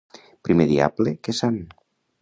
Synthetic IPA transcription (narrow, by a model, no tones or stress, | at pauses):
pɾimeðia̰blekesan